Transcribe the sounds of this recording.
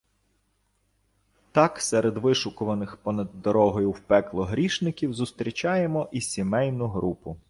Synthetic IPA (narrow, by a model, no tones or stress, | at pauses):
t̪ɑksɛɾed̪ʋɪʃʊkʊʋɐnɪxpɔnɐd̪ːɔɾɔɦɔjʊwpɛklˠɔɦɾʲiʃnɪkʲiwzʊst̪ɾʲit͡ʃɑjemɔʔisʲimɛjnʊɦɾupʊ